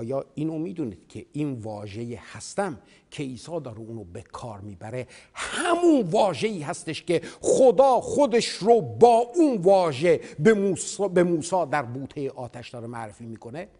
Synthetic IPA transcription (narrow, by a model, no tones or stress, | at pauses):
jɒːiːnomiːd̪uːniːd̪̥cʲʰeiːnvɒːʒejehæst̪æm | cʰe̞iːsɒːd̪ɒːɾeuːnobekʰɒːɾmiːbæɾe̞ | hæmunvɒːʒeiːɦæst̪e̞ʃceχod̪ɒːχod̪eʃɾobɒːʔunvɒːʒebemuːsbemuːsɒːd̪æɾbuːt̪ʰejeʔɒːt̪ʰæʃd̪ɒːɾemæʔɾefiːmiːko̞ne